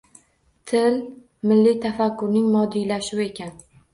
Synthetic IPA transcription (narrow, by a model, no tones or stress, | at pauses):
t̪ʰɪl | mɪlːɪt̪ʰafakʲʰːʊɾnɪŋmɒd̪ijlaʃʊwe̞kʲan